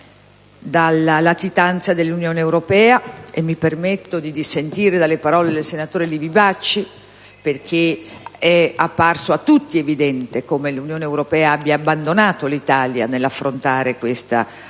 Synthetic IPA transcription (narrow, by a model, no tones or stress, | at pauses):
d̪alalat̪it̪ant̪sad̪elːunjoːneːwɾopɛːaemːipermet̪ːod̪id̪isent̪iːɾed̪alːepaɾɔːled̪elsenat̪oːɾelibibat͡ʃːi | perk̟ʰeɛapːarsoat̪ːut̪ːievid̪ɛnt̪ekomelunjoːneːwɾopɛːaabːjaːbːand̪onaːt̪olit̪aːlja̰nelːafːɾont̪aːɾekwest̪a̰